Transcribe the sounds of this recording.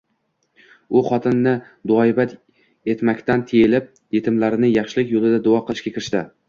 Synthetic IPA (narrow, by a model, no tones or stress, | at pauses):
ʊχɒt̪ʰɪnːɪ | d̪ʊɒɪbat̪ | e̞t̪makʲt̪ʰant̪ʰejɪlɪp̚ | je̞t̪ʰɪmlaɾɪnɪjɑχʃɪlɪkʲjolˠɪd̪ad̪ʊɒqɨlˠɪʃkʲakʲʰɪɾɪʃt̪ɪ